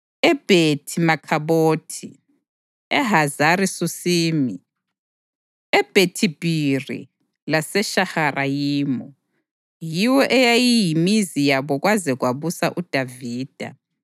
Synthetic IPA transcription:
ɛb̥ʱetʰimakʰaβoːtʰi | ɛɦazarisusiːmi | ɛb̥ʱetʰib̥ʱirḭ | lasɛʃaharʔajiːmɔ | jiwɔʔɛjajijimizijaβɔɣwazɛɣwaβusaʔud̥ʱaviːd̥ʱa̰

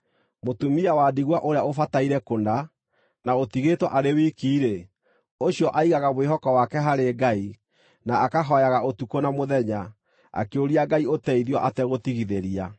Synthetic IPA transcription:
motumiawadiɣwaʔoɾeaofataiɾɛkonda | naotiɣetwɔʔaɾewikiːɾe | oɕijɔʔaiɣaɣamoeɦɔkɔwakɛɦaɾeɡai | naːkaɦɔjaɣaotukonamoðɛɲa | a̰keoɾiaɡaiotɛiðjɔʔatɛɣotiɣiðeɾia

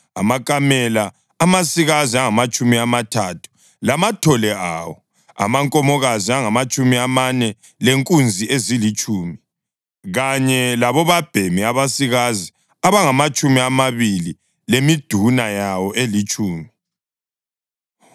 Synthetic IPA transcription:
a̰makʼamɛlaː | masiɣaziaŋamat͡ʃʼumiamatʰatʰu̥ | lamatʰɔlɛʔa̰ːwɔ | a̰maŋkʼɔmɔɣaziaŋamat͡ʃʼumiamanɛ | leŋkʼund͡zʱiezilit͡ʃʼuːmi | ɣaɲɛlaβɔβab̥ʱemiaβasiɣazi | aβaŋamat͡ʃʼumiamaβili | lemid̥ʱunajawɔʔelit͡ʃʼuːmi

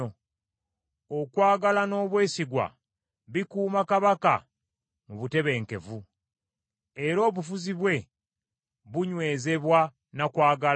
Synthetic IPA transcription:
o | okwaːɡalano̞ːβwe̞ːsiɡwa̰ | βikuːmakaβaka̰ | muβute̞βe̞ːŋke̞̰vu | eɾo̞ːβufuziβwe̞ | βuɲwe̞ːze̞βwa | nakwaːɡal

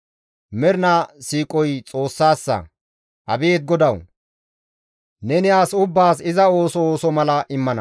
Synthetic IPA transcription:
mɛɾnasiːkʼɔjt͡sʼo̞ːsːaːsːɐ̰ | ʔɐbeːt̪̚ɡɔd̪ɐw | nɛnɪaːsʊbːaːsɪzɐo̞ːsɔːsɔmɐlɐʔɪmːɐnɐ̰

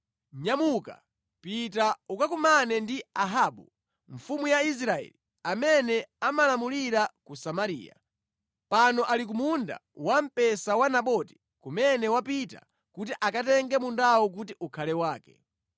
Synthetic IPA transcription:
ɲamuka̰ | pitaukakumanɛndiaɦaɓu | ɱfumujais̬ɾaɛ̰li | amɛnɛamalamuliɾakusamaɾḭːja̰ | panɔʔalik̬umunda̰wam̩pɛsawanaɓɔti̥ | kumɛnɛwapita̰ | kutiʔakatɛŋɡɛmundawɔk̬utiʔukʰalɛwaːkɛ̥̰

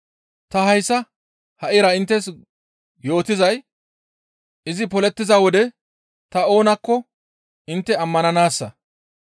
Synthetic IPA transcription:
t̪ɐɦɐjsːɐ | hɐʔɪɾɐɪnt̪ːɛs̬ | jo̞ːt̪ɪzɐj | ɪzɪpɔlɛt̪ːɪzɐwɔd̪ɛ | t̪ɐo̞ːnɐkːɔ | ɪnt̪ːɛɐmːɐnɐnaːsːɐ

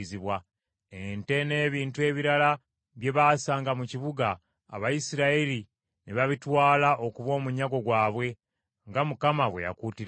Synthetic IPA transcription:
ziβwa | ente̞ne̞ːβiːntue̞βiɾala | βje̞βasaːŋɡamuciβuɡa̰ː | βajisiɾaeli | niβaβitwaːlaʔokuβwo̞ːmuɲaɡo̞ɡwaːβwe̞ | ŋɡamukamaβwe̞ja̰kuːtiɾ

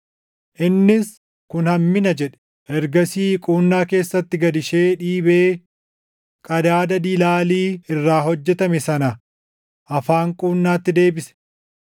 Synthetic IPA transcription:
ʔɪnːɪs | kʊnhɐmːɪnɐd͡ʒɛᶑɛ̥ | ʔɛɾɡɐsiːkʼuːnːaːke̞ːsːɐt̪ːɪɡɐd̪ɪʃe̞ːᶑiːbeː | kʼɐd̪aːd̪ɐd̪ilaːliːɪrːaːɦɔd͡ʒːɛt̪ɐmɛsɐnɐ | ʔɐfaːŋkʼuːnːaːt̪ːɪd̪e̞ːbɪsɛ̥

